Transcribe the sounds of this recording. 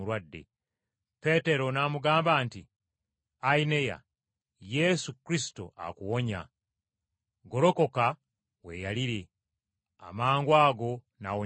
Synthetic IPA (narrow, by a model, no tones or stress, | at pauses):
uɾwadːe̞̰ | pe̞te̞ɾo̞naːmuɡaːmbaːnti | aine̞ja̰ | je̞sukɾisi̥to̰a̰kuwo̞ɲa̰ | ɡo̞ɾo̞ko̞ka | we̞̰ːjaliɾe̞ | a̰maːŋɡwaːɡo̞ | na̰wo